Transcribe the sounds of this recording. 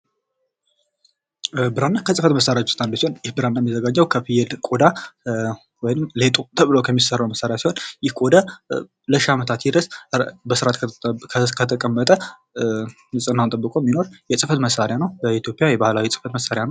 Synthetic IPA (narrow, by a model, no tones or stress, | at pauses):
bɨɾanːakʰəsʼɨfət̪məsːaɾjat͡ʃːu̥st̪ʰʼand̪əsiho̞njɪhbɨɾanːajmːzəɡad͡ʒːəwkʰəfɨjɛd̪kʼod̪a | wɔjnɨmlet̪ʼot̪ʰəβɨlokʰəmːisərːəwməsːaɾjasiho̞njɪhkʼod̪a | ləʃamət̪ʰat̪jid̪əsbəsɨɾat̪ʰ | kʰət̪ʰəkʼəmːət̪ʼə | nɨsʼɨnːawnt̪ʼəbːɨkʼomːino̞ɾjɛsʼɨfət̪məsaɾɪjanəwbəit̪jo̞pʼjajɛbahlawisʼɨ̥fət̪məsːaɾjanəw